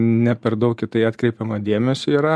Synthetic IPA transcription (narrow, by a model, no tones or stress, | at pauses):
nʲɛpʲɛɾd̪ɐʊkkʲɪt̪ɐɪɑːt̪kɾʲɛɪpʲɛmɐd̪ʲeːmʲɛsʲʊiːɾɐ